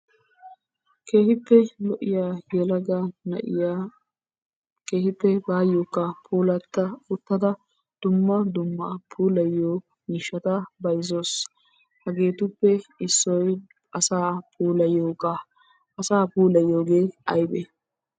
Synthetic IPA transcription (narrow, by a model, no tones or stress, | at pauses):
keːhɪpːɛlɔʔɪjaːjɛlɐɡɐnɐ̰ʔɪ̰jaː | ke̞ːhɪpːɛbaːjoːkːɐpʰuːlɐt̪ːɐʊt̪ːɐd̪ɐ | d̪̥ʊmːɐd̪ʊmːɐpʰuːlɐjːoː | miːʃːɐt̪ɐbɐjzos | hɐɡe̞ːt̪ʊpːɛɪsːɔj | ɐsaːpʰuːlɐjoːkːɐ | ʔɐsaːpuːlɐjːoːɡeːɐjbɛ